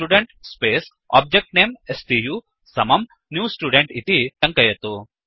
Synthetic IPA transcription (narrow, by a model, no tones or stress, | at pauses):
uːɖeɳʈspeːs | a̰ːb̚d͡ʒek̚ʈneːmesʈijuː | sɐmɐm | njuːsʈuːɖeɳʈit̪it̪ɐŋkɐjɐt̪u